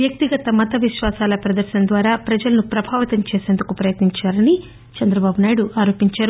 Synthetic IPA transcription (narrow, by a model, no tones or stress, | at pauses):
jɐk̚t̪iɡɐt̪ɐmɐt̪ɐʋiʃʋaːsaːlɐpɾɐd̪ɐɾʃɐnd̪ʋaːɾaːpɾɐd͡ʒɐlɐnupɾɐbʱaːʋɐt̪ɐmt͡ʃeːseːnd̪ukupɾɐjɐt̪niɲt͡ʃaːɾɐni | t͡ʃɐnd̪ɾɐbaːbunaːjɽuʔaːɾo̞ːpiɲt͡ʃaːɾu